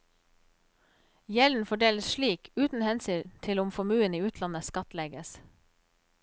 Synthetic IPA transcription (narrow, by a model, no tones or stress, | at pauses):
jɛln̩fɔɖeːləsʃɭiːkʉːt̪n̩hɛnsyːt̪ʰɪlʊmfɔmʉːəniːʉːt̪ʰlɑnəskɑt̪lɛɡəs